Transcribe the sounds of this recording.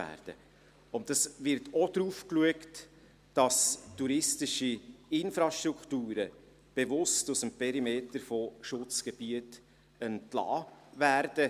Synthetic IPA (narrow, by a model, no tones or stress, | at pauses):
æ̰ːɾd̥ə̰ | ʊnt̚dɑsvɪɾtʰɔd̥ɾuːfkluəkt | d̥ɑstuɾɪstɪʃiɪnfɾɑʃtɾukχtuːɾə | b̥ɛvʊstusəmpʰɛɾimeːtəɾfɔʃʊt͡sɡ̥ɛb̥iət | ənplɑ̰ːværd̥ə